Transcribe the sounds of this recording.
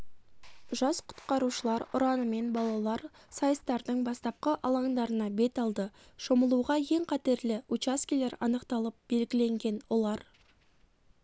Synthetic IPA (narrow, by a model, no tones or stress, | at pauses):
ʒɑsqʰʊ̥t̪qɑɾuʃəlˠɑɾʊɾɑnəme̞nbɑlˠɑlˠɑɾ | sɑjəst̪ɑɾd̪əɴbɑst̪ɑp̚qəʔɑlˠɑɴd̪ɑɾənɑbe̞t̪ɑlˠd̪ə | ʃo̞məlˠuʁɑje̞ŋqʰɑt̪e̞ɾlɪut͡ʃaskʲile̞ɾɑ̰nəqt̪ɑlˠəp̚be̞lɡʲɪle̞ŋɡʲe̞nwo̞lˠɑɾ